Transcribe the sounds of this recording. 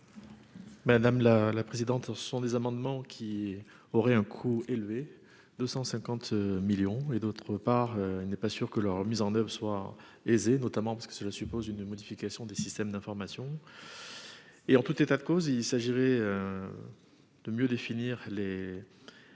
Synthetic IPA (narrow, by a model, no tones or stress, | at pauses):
mad̪amlalapχezid̪ɑ̃t̪sə̥sɔ̃d̪ezamɑ̃d̪mɑ̃kʲʰi | ɔʁɛɛ̃kʰuelve | d̪øsɑ̃sɛ̃kɑ̃t̪miljɔ̃ed̪ot̪χəpaʁøilnɛpasyʁkəlœʁmizɑ̃nœvʁəswa | ezenɔt̪amɑ̃paʁsəkə̥səlasypozynmɔd̪ifikasjɔ̃d̪esist̪ɛmd̪ɛ̃fɔʁmasjɔ̃ | eɑ̃t̪ut̪et̪ad̪əkozilsaʒiʁɛø | d̪̥əmjød̪efiniʁle